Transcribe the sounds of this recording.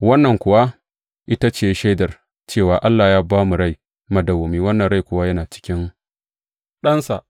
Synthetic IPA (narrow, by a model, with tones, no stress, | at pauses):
wɐ˦nːɐ˨ŋkʷʊ˨wa˦ | ʔɪ˦ta˦t͡ʃeː˨jʃa˦jdɐ˨r | t͡ʃeː˦˨waː˨ʔa˦lːaː˨jaː˦baː˦mu˨ɽa˦˨j | mɐ˨dɐ˨wo˨miː˨wɐ˦nːɐ˨nɽa˦˨jkʷʊ˨wa˦jɐ˦naː˨t͡ʃɪ̥˦kʲɪ˦ŋ | ɗɐ˦nsa˨ʔ